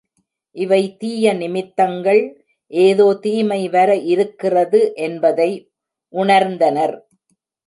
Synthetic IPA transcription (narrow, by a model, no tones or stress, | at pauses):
ʔɪʋɐɪt̪iːjɐnɪmɪt̪ːɐŋɡɐɭ | ʔeːðoːt̪iːmɐɪʋɐɾɐʔɪɾɯkːɪrɐðɯʔɛnbɐðɐɪ | ʔʊɳɐɾnd̪ɐnɐɾ